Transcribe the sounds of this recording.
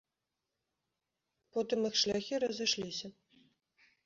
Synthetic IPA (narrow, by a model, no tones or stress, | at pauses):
pɔt̪ɨmixʂlʲaxʲiɾɐzɨʂlʲisʲɐ